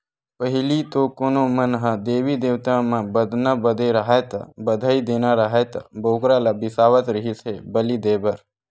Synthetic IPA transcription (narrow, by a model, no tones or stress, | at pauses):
pəɦɪlit̪okoːnomənɦəd̪eːʋid̪eːʋt̪amãbəd̪ʱnabəd̪ʱeɾəɦat̪a̰bəd̪ʱaːid̪eːnaɾəɦet̪a̰boːkɾalabɪsaːʋət̪ɾəɦisebəlid̪eːbəɾ